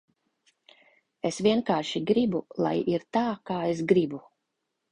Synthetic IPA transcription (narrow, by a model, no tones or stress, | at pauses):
esvʲiɛnkaːɾʃiɡɾibulˠa̰jiɾt̪aːkaːesɡɾibu